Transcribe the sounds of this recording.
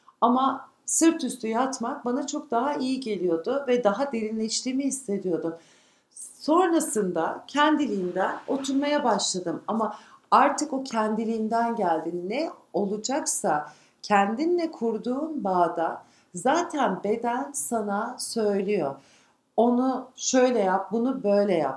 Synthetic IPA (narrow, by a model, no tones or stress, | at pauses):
ama | sɯɾt̪ʰyst̪ʰyjat̪mak̚banat͡ʃʰo̞k̚d̪aɦaijiɟe̞lʲijo̞d̪ʊvɛd̪aɦad̪eɾinlʲɛʃt̪iːmihisːe̞d̪ijo̞d̪um | so̞nɾasɯnd̪acʰɛnd̪ilʲijind̪ɛno̞t̪ʰuɾmajabaʃlˠad̪ɯmamaaɾt̪ʰɯko̞cʰænd̪ilʲiːnd̪ænɟælʲd̪inːɛo̞lˠud͡ʒaksa | cʰænd̪inlʲɛkʰuɾd̪uːnbaːd̪a | zaːt̪ʰænbe̞d̪ænsanasø̞jlʲijo̞ | o̞nuʃø̞jlʲɛjap̚bunubø̞jlʲɛja̰p